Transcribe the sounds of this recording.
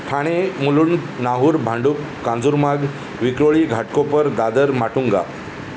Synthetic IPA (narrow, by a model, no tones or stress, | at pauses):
ʈʰaɽ̃emuluɳnaɦuːɾbʱãɳɖuːkːãnd͡zuɾmaɡ | ʋikɾoɭiːɡʱaʈkopəɾd̪ad̪əɾmaʈuŋɡa̰